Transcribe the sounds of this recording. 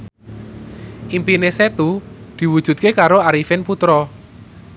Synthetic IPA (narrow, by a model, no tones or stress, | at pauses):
ʔimpineset̪ud̪̥i̤wud̥ʒ̥ṳt̪̚kekaɾoaɾifɪnput̪ɾɔ